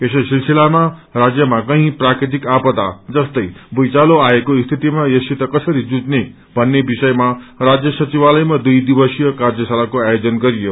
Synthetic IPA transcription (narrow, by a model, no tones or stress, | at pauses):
kesʌsilsilamarad͡zjʌmakʌɦĩprakɾit̪̬ikapʌd̪a̰d͡zʌst̪ʌjbujt͡saloaekoist̪ʰit̪imajesit̪ʌkʌsʌɾid͡zud͡zne | bʱʌnːebisʌjmarad͡zjʌsʌt͡siβalʌjmad̪ujd̪ibʌsijʌkard͡zjʌsalakoajod͡zʌnɡʌɾijo